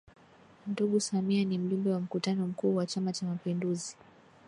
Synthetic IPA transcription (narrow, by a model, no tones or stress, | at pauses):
duɠusamianim̩ʄumbɛwam̩kutanɔm̩kuːwat͡ʃamat͡ʃamapinduzi